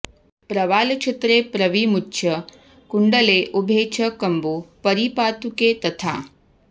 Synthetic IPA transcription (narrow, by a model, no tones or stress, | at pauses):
pɾɐʋaːlkt͡ʃʰet̪ɾeːpɾɐʋimutːʃʰɐ | kuɳɖɐleːʔubʱeːt͡ʃʰɐkɐmbupɐɾipaːt̪ukeːt̪ɐt̪ʰa̰ː